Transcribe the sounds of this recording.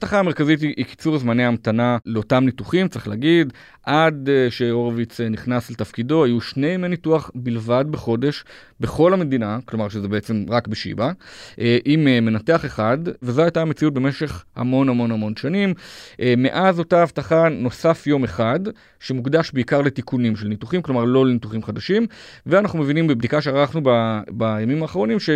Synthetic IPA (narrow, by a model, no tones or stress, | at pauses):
aavtaχame̞ʁkazit̬iʔiki̥t͡suʁzmaneamtanaleo̞tamnituχimt͡saʁiχlaːɡid | ʔad̪ʃe̞o̞ʁvit͡sniχnaslet̪afkido̞ajuʃne̞jmenituaχbilvad̚beχo̞de̞ʃ | beχo̞lhame̞d̪inaklo̞maʁʃezebeet͡se̞mʁakbeʃḭbaʔeʔimeme̞nate̞aχe̞χadvezo̞ajtamet͡siut̚be̞meʃe̞χha̰mo̞namo̞nhamo̞nʃanimʔeme̞̰ʔazo̞taavtaχano̞safjo̞me̞χad | ʃe̞mukd̪aʃbeikaʁle̞tikunimʃelnit̪uχimklo̞maʁlo̞lenituχimχad̪aʃimveanaχnume̞vinimbebd̪ikaʃeaʁaχnubabajamimaːχʁ̞o̞nimʃe